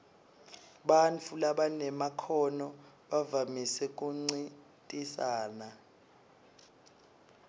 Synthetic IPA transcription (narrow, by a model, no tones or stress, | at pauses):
ɓant͡fʰulaɓanɛmakʰɔnɔ | ɓavamisɛk̬ʼuŋ͡ǀi | tʼisaːna